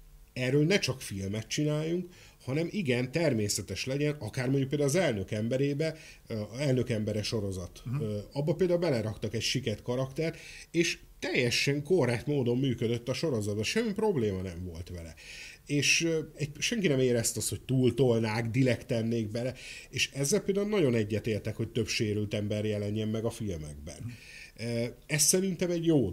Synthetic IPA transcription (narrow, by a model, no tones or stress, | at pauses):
ɛrøːlnɛt͡ʃɒkfilmɛt̪̚t͡ʃinaːjːuŋk | hɒnɛmʔiɡɛnt̪ɛrmeːsɛt̪ɛʃlɛɟɛnɒkaːrmoɲɟukpeld̪auːlːzɛlnøkɛmbɛɾeːbɛ | ɛlnø̞kɛmbɛɾɛʃo̞ɾo̞zɒt̪ːɒbːɒpeːld̪aːulbɛlɛɾɒkt̪ɒkɛcʃikɛrt̪kɒɾɒkt̪ɛrt̪eːʃ | t̪ɛjːɛʃɛŋkoraːt̪moːd̪o̞mːyːkød̪øt̪ːɒʃo̞ɾo̞zɒd̪̚bɒʃɛmːipro̞bleːmɒnɛɱvo̞lt̪ʋɛlɛ̰eːʃɛɟʃɛŋkinɛmeːɾɛst̪ɒsho̞c̚t̪uːlt̪o̞lnaːkd̪ilɛkt̪ɛnːeːɡ̚bɛlɛeːʃɛzːɛlpeld̪aulnɒɟo̞nɛɟːɛt̪eːrt̪ɛkho̞c̚t̪ø̞pʃeːɾylt̪ɛmbɛrjɛlɛɲːɛmːɛɡɒfilmɛ̰ɡ̚bɛ̰n | ɛsːɛɾint̪ɛmɛɟjoː